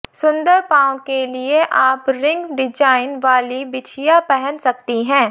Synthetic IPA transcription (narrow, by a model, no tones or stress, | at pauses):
sʊ̃nd̪əɾpãːõkelieʔaːpɾɪ̃ŋɡɖɪd͡ʒaːɪnʋaːlibɪt͡ʃʰijapɛɦɛnsɐk̚t̪iɦɛ̃ː